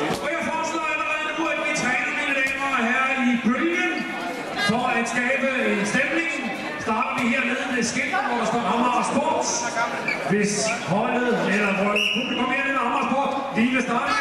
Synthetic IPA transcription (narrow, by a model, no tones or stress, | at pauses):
ɒjafɒ̥ːsd̥ɔ̰ːælɐʁɛð̩ˠnuæd̥ʋit͡sʰʁɛːnɐminəleːmɐɦæɐib̥ʁylɡən | fɒæd̥sɡ̥ɛːb̥əensd̥emne̝ŋn | sd̥ɑ̈ːd̥ɐʋiɦeɐ̰neð̞ˠmesɡ̥eld̥ɐnʋɒd̥ɑsd̥ɔ̰̥ːɑmɑsb̥oɐ̰d̥ | ʋe̝shɒl̰ð̩ˠelɐʋɒdukʰækʰɒ̽məheɐmemɑnʁɐspʰɒːd̥ | ʋiʋe̝sd̥ɑ̈ːdə